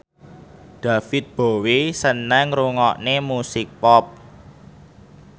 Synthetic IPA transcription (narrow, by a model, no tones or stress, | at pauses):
ɖ̪̥ä̤fɪt̪̚b̥o̤wesənːɛŋɾuŋɔʔnemusɪk̚pɔp̚